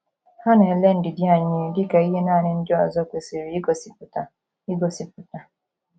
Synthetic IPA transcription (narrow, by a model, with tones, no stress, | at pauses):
ha˦na˨e˨le˦n̩˦dɪ˨dɪ˦a˨ɲɪ˦dɪ˦ka˨i˦ɦe˦naː˦˨nɪ˨˦n̩˦dɪ˦ɔ˨zɔ˦kʷe˨se˨ɾi˨i˦ɡo˨si˨pʊ˨ta˨ | i˦ɡo˨si˨pʊ˨ta˨